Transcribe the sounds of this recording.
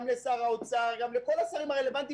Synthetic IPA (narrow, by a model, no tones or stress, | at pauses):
mlesaʁaot͡saʁɡamleko̞lasaʁimaʁele̞vant̪i